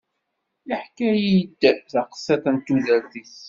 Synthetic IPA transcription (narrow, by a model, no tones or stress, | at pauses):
iħkæjid̪θaqə̥sːæθənt̪ːuðəɾðiθ